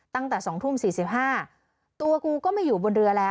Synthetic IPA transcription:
t̪a˥˩ŋt̪ɛː˨˩sɔː˩˦ŋt̪ʰu˥˩msiː˨˩si˨˩p̚ɦaː˥˩ | t̪u˧ɐkuː˧kɔː˥˩ma˥˩juː˨˩bo˧nɾɯ˧ɐlɛː˦˥

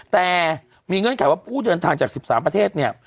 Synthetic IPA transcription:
t̪ɛː˨˩ | miː˧ŋɤ˧nkʰa˨˩˦jwaː˥˩pʰuː˥˩dɤː˧nt̪ʰaː˧ŋt͡ɕaː˨˩k̚si˨˩p̚saː˩˦mpɾa˧eː˥˩t̪̚ni˥˩ɐ

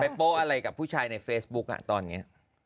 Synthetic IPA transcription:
pa˧jpoː˦˥ʔa˧ɾa˧jka˨˩pʰːuː˥˩t͡ɕʰaː˧jna˧jfeː˦˥sbu˦˥k̚ʔa̰˨˩t̪ɔː˧nːi˦˥ɐ

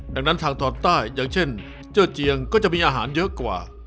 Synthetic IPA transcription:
daː˨˩ŋna˦˥nt̪ʰaː˧ŋt̪ʰɔː˧nt̪aː˥˩jːaː˨˩ŋt͡ɕʰe˥˩n | t͡ɕɤː˥˩t͡ɕi˧əŋkɔː˥˩t͡ɕa˨˩ʔmiː˧ʔaː˧ɦaː˩˦njɤ˦˥kwa̰ː˨˩

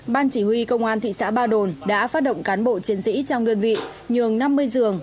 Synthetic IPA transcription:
ɓaː˧nt͡ɕi˧˩hwi˧kə˧wŋ͡mʔaː˧nt̪ʰḭ˧˨sa̰ː˧˥ɓaː˧ɗo˨˩nɗa̰ː˧˥faː˦˥t̚ɗə̰˧˨wŋ͡mkaː˨˦nɓo̰˧˨t͡ɕi˨˦ənsḭ˧˥t͡ɕɔ˧wŋ͡mɗə˧ənvḭ˧˨ | ɲɨ˨˩əŋna˧mːɨ˧əjzɨ˨˩əŋ

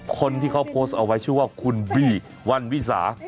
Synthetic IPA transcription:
kʰo˧nt̪ʰiː˥˩kʰa˦˥wpʰoː˦˥˩st̪̚ʔa˧wa˦˥jt͡ɕʰɯ˥˩əwaː˥˩kʰu˧nbiː˧˩ | wa˧nwi˦˥sa̰ː˩˦

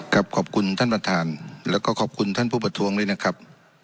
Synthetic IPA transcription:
kʰa˨˧˥p̚kʰɔː˨˩p̚kʰu˧nt̪ʰaː˥˩npɾa˧˩t̪ʰaː˨˦nlɛː˧˩wkɔː˧˩kʰɔː˨˩p̚kʰu˧nt̪ʰaː˥˩˨npʰuː˥˩pa˧t̪ʰuː˧˦əŋdɤː˧˥˩jna˧˥kʰa˦˥p̚

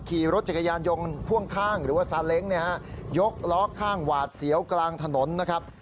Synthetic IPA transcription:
kʰiː˨˩ɾo˦t̪̚t͡ɕa˨˩kʰa˧jaː˧njo˧ŋkʰu˥˩əŋkʰaː˥˩ŋɾɯː˩˦waː˥˩saː˨˦nle˦˥ŋni˥˩ɐha˦˥jo˦˥k̚lɔː˦˥kʰːaː˥˩ŋwaː˨˩t̪̚si˩˦əwklaː˧ŋt̪ʰa˧no˨˩˦nː˦˥kʰa˦˥p̚

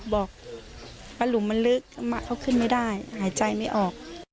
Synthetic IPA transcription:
bɔː˨˩k̚ | paː˧luː˨˦ma˧nlɯ˦˥k̚ma˦˧˥ʔʔa˧˩wkʰɯ˧˥˨nma˥˩jdaː˥˩jhaː˩˦jt͡ɕa˧jma˥˩jʔɔː˨˩k̚

